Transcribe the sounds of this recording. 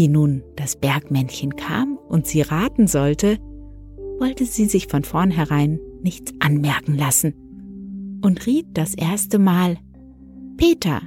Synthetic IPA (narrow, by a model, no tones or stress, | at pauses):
iːnuːnd̥asb̥ɛɐkmɛnçənkʰa̰ːmʔʊntz̥iːʁaːtn̩zɔltʰə | vɔltəziːzɪçfɔnfɔɐnɦɛʁaɪnːɪçt͡sʔanmɛɐkŋ̩lasn̩ | ʔʊntʁiːt̚d̥asʔeːɐstəmaːl | pʰeːtʰɐ̰